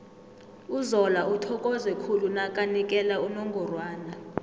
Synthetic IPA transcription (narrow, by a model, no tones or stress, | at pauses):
uzɔlaʔutʰɔkʼɔzɛkʰulunakʼanikʼɛlaunɔŋɡʱɔrwaːna